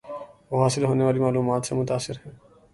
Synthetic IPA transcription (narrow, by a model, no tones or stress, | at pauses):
ʋoːɦaːsɪlɦoːneʋaːlimaːluːmaːt̪semʊt̪aːsːɪɾɦɛ̃ː